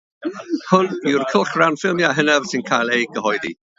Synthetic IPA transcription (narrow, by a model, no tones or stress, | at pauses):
hʊniwrkʰəlˠχranfɪlˠmjaɦənɛv̥sɪnkʰajlˠejɡəɦɔjðḭ